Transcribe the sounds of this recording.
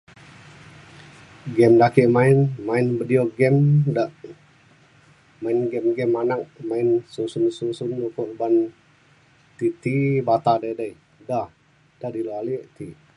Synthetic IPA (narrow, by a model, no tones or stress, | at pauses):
ɡɛmdakiʔmainmainbədioɡɛmdaʔ | mainɡɛmɡɛmanak̚mainsusunsusunlokɔʔrban | t̪it̪ibat̪adajdaj | dah | d̥adilaliʔt̪i